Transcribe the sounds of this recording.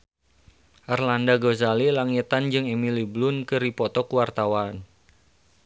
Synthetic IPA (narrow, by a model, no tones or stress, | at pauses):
ʔarlandaɡozalilaŋit̪and͡ʒɨŋemiliblʊnkɨɾipɔt̪ɔkuwart̪awan